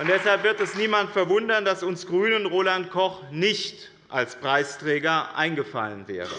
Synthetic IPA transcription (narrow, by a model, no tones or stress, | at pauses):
ʔʊntd̥ɛshalpv̥ɪɐtɛsniːmantfɛɐvʊndɐndasʊnsɡ̥ʁyːnənʁoːlantkʰɔχnɪçt | ʔalspʁ̥aɪstʁ̥ɛːɡɐʔa̰ɪnɡəfa̰lənvɛ̰ːʁə̰